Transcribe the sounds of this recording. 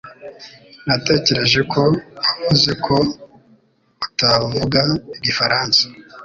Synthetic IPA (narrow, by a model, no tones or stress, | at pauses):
nate̞ːce̞ɾe̞ʒe̞kʰo̞aβuze̞kʰo̞ | utavuɡaiɡifaɾaːnsḁ